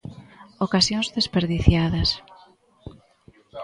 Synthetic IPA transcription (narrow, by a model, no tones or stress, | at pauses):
okasjõŋzðespeɾðiθjaðɐs